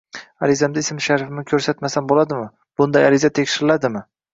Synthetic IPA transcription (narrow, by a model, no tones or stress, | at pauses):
aɾɪzamd̪aɪsmɪʃaɾfɪmɪkʲʰɵɾsat̪masanbolad̪ɪmɪ | b̥ʊnd̪ajaɾɪzat̪ʰekʲʃɪɾɪlad̪ɪmɪ